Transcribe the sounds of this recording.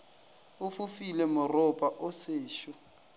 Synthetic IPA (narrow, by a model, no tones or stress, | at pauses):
ʊfʊfilemʊrʊpʼaʔʊseːʃɔ